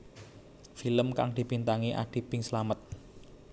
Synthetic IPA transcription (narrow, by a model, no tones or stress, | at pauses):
filəmka̰ŋd̪̥i̤bint̪aŋiʔa̰ɖ̪̥i̤b̥ɪŋsəlamət̪̚